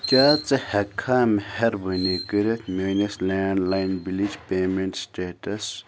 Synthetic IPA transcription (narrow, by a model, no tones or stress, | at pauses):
kʲaːt͡sɐhɐkʰːaːmhɐɾbənikəɾet̪ʰmeːnɐslaːɳlajnbilid͡ʒpeːmeɳʈsʈeːʈɐs